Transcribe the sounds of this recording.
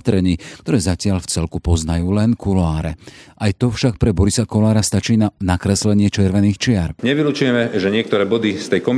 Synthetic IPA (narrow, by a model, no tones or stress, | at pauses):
t̪ɾɛɲikt̪ɔɾɛːzacɪaʎft͡sɛlkupɔznajuːlɛnkʰulaːɾɛ̰ʔajt̪ɔfʃak̚pɾɛbɔɾisakɔlaːɾast̪at͡ʃiːnanakɾɛslɛɲɪɛt͡ʃɛɾʋɛniːxt͡ʃɪaɾɲɛʋilut͡ʃujɛmɛʒɛɲɪɛk̚t̪ɔɾɛːbɔd̪ist̪ɛjkɔm